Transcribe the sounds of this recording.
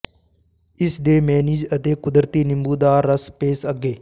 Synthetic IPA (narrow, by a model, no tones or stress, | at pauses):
ɪsd̪eːmɛːniːd͡ʒət̪eːkʊd̪ɾt̪iːnɪ̃mbuːd̪aːɾːɐspeːsɐɡeː